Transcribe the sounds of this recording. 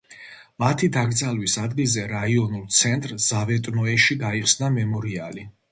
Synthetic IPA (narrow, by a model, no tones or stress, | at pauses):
mat̪ʰid̪aɡɾd̪zalwisad̪ɡilzɛɾaiɔnulˠt̪sʰɛnt̪ʼɾz̥avɛt̪ʼnɔɛʃiɡaiχsnamɛmɔɾiali